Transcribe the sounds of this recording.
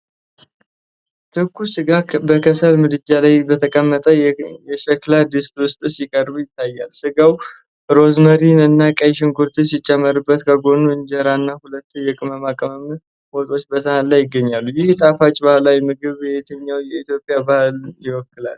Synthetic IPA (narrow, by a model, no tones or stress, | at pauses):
t̪ʰɨkʰːusɨɡabəkʰəsəlmɨd̪ɨd͡ʒalajbət̪ʰəkʼəmːət̪ʼəjɛʃɛklad̪ɨst̪ʼwʊst̪ʼɨsɪkʼəɾbujɪt̪ʰːajːalsɨɡaw | ɾo̞zməɾinɨnːakʼajʃ̬ɪŋɡʰuɾt̪ʰɨsɪt͡ʃʼːɛmːəɾɨbːət̪kʰəɡo̞nuɨɲd͡ʒɛɾanːahulət̪ːujɛkʼɨməmakʼəməm | mot̪ʼo̞t͡ʃːbət̪ʰənat̪lajːɪɡːəɲːalːujɪht̪ʼafat͡ʃʼbahlajmɨɡɨβt̪ʰəɲːawjɛit̪jo̞pʼijabahljɪwɔkːɨla̰l